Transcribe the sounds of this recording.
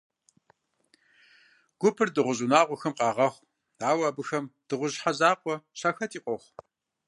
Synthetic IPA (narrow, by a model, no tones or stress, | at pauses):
ɡ̥ʷʊpʰɨrdɨʁʷʊʑunaːʁʷɔxɐmqʼɑːʁɐχʷ | aːwɐbɨxɐmd̥ɨʁʷʊʑħazaːqʷʼɔɕɐxɐtʰiːqʷʼɔχʷ